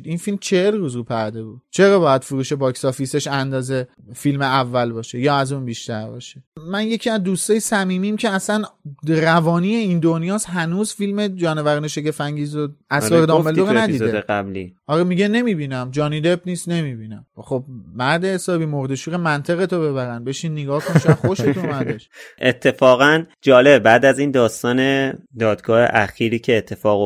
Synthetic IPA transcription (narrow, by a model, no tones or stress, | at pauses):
d̪infilmt͡ʃʰe̞helruːzɾupʰæɾd̪e̞buːd̪̥̚t͡ʃʰe̞ɾɒːbɒːjæd̪̥fuɾuːʃe̞bɒːksɒːfise̞ʃænd̪ɒːze̞ | filmeævːælbɒːʃe̞jɒːæzunbiʃt̪æɾbɒ̰ːʃemænje̞cʰiæzd̪ust̪ɒːjesæmiːmiːmcʰeæsænrævɒːnije̞ind̪o̞njɒːsɦænuːzfilme̞d͡ʒɒːnevæɾiːneʃecefæŋɟiːzoʔæsɒːɾed̪ɒːmeldoɣnæd̪iːeeæblḭːɒːɾemiɟe̞ne̞miːbiːnæmd͡ʒɒːniːd̪ebniːst̪ne̞miːbiːnæmχo̞b̚mæɾd̪ehesɒːbiːmoɾd̪e̞ʃuːʁemænt̪ʰeɣe̞t̪ʰobe̞βæɾænbe̞ʃiːnːeɡɒːhkoʃæxo̞ʃet̪ʰomæd̪eʃʔet̪ʰːe̞fɒːɣænd͡ʒɒːlebbæːd̪æziːnd̪ɒːst̪ɒːned̪ɒːd̪ɡɒːhḛʔæxiːɾiːcʰeːt̪ʰːe̞fɒːɣo